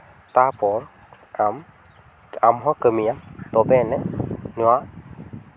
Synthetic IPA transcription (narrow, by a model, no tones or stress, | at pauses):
t̪apɔɹ | am | amɦɔkəmijamt̪ɔbɛnɛnuwa